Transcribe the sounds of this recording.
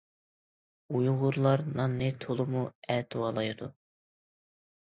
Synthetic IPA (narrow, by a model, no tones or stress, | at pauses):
ujʁʊɾlˠɑɾnɑnːɨt̪ʰolˠɨmuɛt̪ʰuwɑlˠɑjd̪u